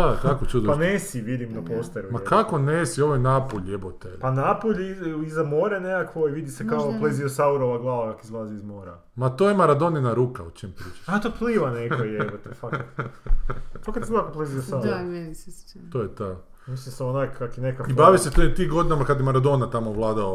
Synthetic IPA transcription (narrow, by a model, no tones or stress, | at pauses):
akakot͡ʃud̪opanesiʋid̪imnapost̪aɾumakakonesioʋojnapoʎʲjebot̪epanapoʎizamoːɾeneakʋoiʋid̪isekakoplˠeziosauɾoʋaɡlˠaʋakakizlˠaːziizmoːɾa̰ | mat̪ojemaɾad̪oninaɾuːkaot͡ʃimpɾiːt͡ʃḁʃat̪opliːʋanekojebot̪efak | t̪okad̪sibakopleziosauɾo | t̪ojet̪a | mislimsaonajkʰakenekaibaʋiset̪ot̪iːɡod̪inamakad̪jemaɾad̪onat̪amoʋlˠaːd̪ao